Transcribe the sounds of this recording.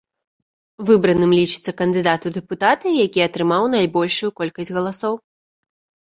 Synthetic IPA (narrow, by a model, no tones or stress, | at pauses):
vɨbɾɐnɨmlʲit͡ʂɨ̥t̪sːɐkɐnd̪ɨd̪at̪ud̪ɛput̪at̪ɨjakʲiɐt̪ɾɨmawnajbɔlʲʂujukɔlʲkɐsʲd͡zʲɣɐlˠasɔw